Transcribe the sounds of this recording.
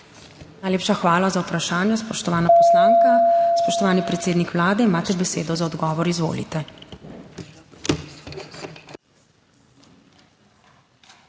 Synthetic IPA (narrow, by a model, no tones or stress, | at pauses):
naːjleːpʃaxʋaːlazaupɾaʃaːnjɛspɔʃt̪ɔʋaːnapɔslaːŋkaspɔʃt̪ɔʋaːnipɾɛt̪seːd̪nikʋlaːd̪ɛimaːt̪ɛbɛsḛːd̪ɔzaɔd̪ɡɔːʋɔɾizʋo̰ːlḭt̪ɛ